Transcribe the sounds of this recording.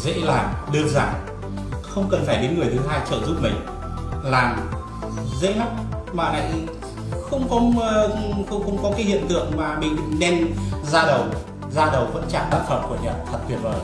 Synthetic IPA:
zə̰˧˥laː˨˩ɗɨ˧˩ək̚zaː˧˨˩ŋ | xə˧wŋ͡mkə˨˩nfaː˧˩jɗe˨˦nŋɨ˨˩əjt̪ʰɨ˨˦ɦaː˧jt͡ɕəː˧˩zu˦˥p̚mï˨˩ŋ̟ | laː˨˩ŋ | zə̰˧˥jma˦˥k̚maː˨˩na̰˧˨j | xə˧wŋ͡mkɔ˨˦ | xə˧wŋ͡mxə˧wŋ͡mkɔ˨˦kaː˨˦jhḭ˧˨ənt̪ɨ̰˧˨əŋmaː˨˩mḭ̈˧˨ŋ̟˨ŋnɛ˧nzaː˧ɗə˨˩w | zaː˧ɗə˨˩wvə̰˧˥nt͡ɕa̰ː˧˨t̪aː˦˥k̚xʰə˨˩p̚ku˧˩əɲɛ̰˧˨˩t̪ʰə˨˩t̚kʰwi˨˩ət̚vəː˨˩j

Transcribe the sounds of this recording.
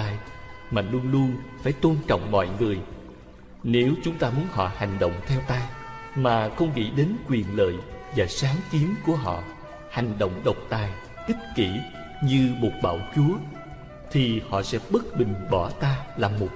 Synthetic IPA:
aː˧jmaː˨˩lu˧əŋlu˧əŋfaː˧˩jt̪o˧nt͡ɕɔ̰˧˨wŋ͡mmɔ̰˧˨jŋɨ˨˩əj | ne˨˦wt͡ɕʊ˨˦ŋ͡mt̪aː˧mu˨˦ənhɔ̰˧˨ha˨˩jŋ̟ɗə̰˧˨wŋ͡mt̪ʰɛ˧wt̪aː˧maː˨˩xə˧wŋ͡mŋḭ˧˥ɗe˨˦nkwi˨˩ənlə̰ː˧˨jvaː˨˩saː˨˦ŋki˨˦əmku˧˩əɦɔ̰˧˨ | ha˨˩jŋ̟ɗo̰˧˨wŋ͡mɗə˨˩wk͡p̚t̪aː˨˩j | ʔï˦˥t̚kḭ˧˩ | ɲɨ˧mo˨˩t̚ɓa̰ː˧˩wt͡ɕu˨˦ə | t̪ʰi˨˩hɔ̰˧˨sɛ̰˧˥ɓə˦˥t̚ɓï˨˩ŋ̟ɓɔ˧˩t̪aː˧laː˨˩mo˨˩t̚

